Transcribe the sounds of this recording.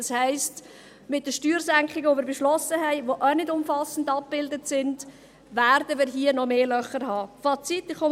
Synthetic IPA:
ɑshɛɪst | mɪt̚dəʃtyːɾzæŋkχɪɡəʋomɪːɾbɛʃlɔsəɦɛɪʋoʔœnɪdʊmfɑsən̩dɑp̚b̥ɪldətsɪnd | væɾdəmɪːɾɦiənɔmeːlœχəɾhɑːfɑːt͡sit̪ːɪχo

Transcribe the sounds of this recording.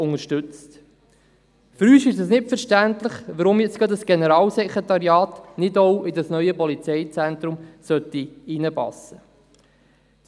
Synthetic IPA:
ʊŋəɾʃtʉt͡st | fʏɾyːsɪʃəsnɪtfəɾʃtænt̪ləχʋəɾʊmjɛt͡skɑd̪əsɡ̥ɛnəɾɑːlsɛkʰɾet̪ɑɾiɑːtnɪdowʔɪdəsnœʏəpɔlit͡sɛɪt͡sɛnt̪ɾʊmsœtːiinəpɑ̰sə

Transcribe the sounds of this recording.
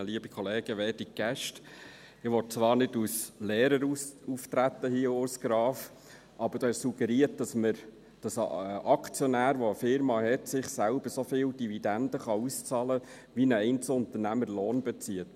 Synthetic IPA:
əliəbikʰɔleːɡ̥əʋeːdik̚ɡ̥æʃt | ɪʋɔt̚t͡sʋɑːɾnɪduslɛːɾəɾuuft̪ɾæt̪ːəhiəʊsɡ̥ɾɑːf | ʔɑbəɾd̥ɑːɪʃsuɡ̥ɛɾiət̚d̥ɑsməɾ | d̥ɑsʔɑkt͡sjɔnæːɾʋoəfɪɾmɑhɛt̪sɪχsælb̥əɾsofɪːld̥ivid̪ænd̥̪əχɑust͡sɑlə | ʋinəɛɪnt͡səʊnt̪əɾnæməɾloːnbɛt͡siət

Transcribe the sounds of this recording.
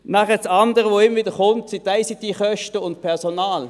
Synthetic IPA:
næχət͡sɑndəʁəʋoɪmvɪːdəχʊntsɪtaɪsɪtdiχœʃtəʊntpʰɛʁsonaːl

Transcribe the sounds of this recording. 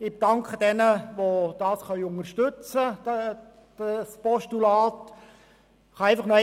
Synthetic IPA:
ɪbd̥ɑŋkχəd̥ɛnəʋod̥ɑːsχœɥʊŋərʃtʏt͡sə̥ | spɔʃtulaːt | χɑæɪfɑχnœ

